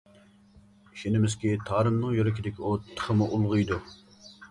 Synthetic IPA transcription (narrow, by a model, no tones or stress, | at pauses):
ʃinɪmɪzkʲit̪ʰɑːɾɨmnɨŋjøɾɪkʲid̪ɪkʲiut̪ʰːə̥χəmuʔulˠʁʊjd̪u